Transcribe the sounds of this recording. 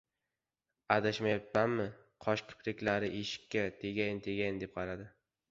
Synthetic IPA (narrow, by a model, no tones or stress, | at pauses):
ad̪aʃmajapːanmɪ | qʰɒʃkqʲʰʊ̥pʰlɪkʲlaɾɪʔeʃɪ̥kʲʰːat̪ʰe̞ɡʲajnt̪ʰe̞ɡʲajnd̪e̞p̚qʰɑɾad̪ɪ